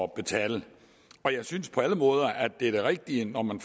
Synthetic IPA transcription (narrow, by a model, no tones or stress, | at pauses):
ɒb̥e̝t͡sʰɛːlə | ɒ̽jɑ̈ɪsynspʰɒ̽æləmɔ̽ːð̞ˠɐʔædd̥e̝æɐd̥e̝ʁeɡ̥̚d̥iənɒmænf